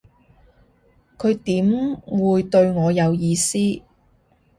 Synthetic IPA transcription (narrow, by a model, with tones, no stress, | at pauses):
kʰɵ˨˧ɥt̪iː˨˥mwuː˨˧jt̪ɵ˧ɥŋɔː˨˧jɐ˨˧wjiː˧siː˥